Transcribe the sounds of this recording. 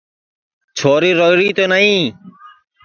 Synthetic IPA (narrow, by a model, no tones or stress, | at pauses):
t͡ʃʰoːɾiːɾoɾiːt̪oːnaĩː